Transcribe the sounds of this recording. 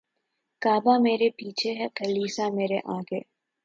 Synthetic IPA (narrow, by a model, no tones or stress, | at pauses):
kaːbameːɾepiːt͡ʃʰeɦɛkɐliːsameːɾeʔaːɡeː